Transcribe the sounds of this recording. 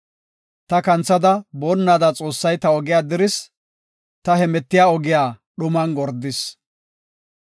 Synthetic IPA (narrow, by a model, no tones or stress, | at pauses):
t̪ɐkɐnt͡sːɐd̪ɐboːnːaːd̪at͡sʼo̞ːsːɐjt̪ɐɔɡɪjaːd̪ɪɾɪs | t̪ɐhɛmɛt̪ːɪjaːɔɡɪjaːɗʊmɐnɡɔɾd̪ɪs